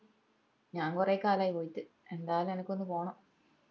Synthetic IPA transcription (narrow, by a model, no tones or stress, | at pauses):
ɲaːŋkureːkaːlaːjpojit̪ːɨ | e̞nd̪aːjɐlumenɐkːo̞nːɨpo̞ːɳɐ